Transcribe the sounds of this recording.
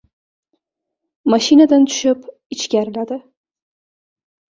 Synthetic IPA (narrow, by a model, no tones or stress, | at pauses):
maʃinad̪ant̪ʰʊ̥ʃɪp | ɪt͡ʃkʲaɾlad̪ɪ